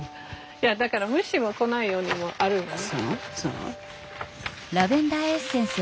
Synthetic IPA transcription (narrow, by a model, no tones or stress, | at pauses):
jad̪akaɾamɯ̟ɕimo̞ko̞naijo̞ːɲ̟imo̞ʔaɾɯ̟asoso̰ | ɾabẽ̞nd̪aːesẽ̞ɰ̃sɨ